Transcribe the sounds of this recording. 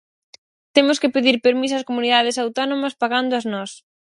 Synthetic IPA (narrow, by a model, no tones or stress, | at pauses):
t̪emʊskɪpeðiɾpeɾmisɐskomuniðað̞ɪsawt̪ɔnomɐspaɣand̪ʊɐznɔs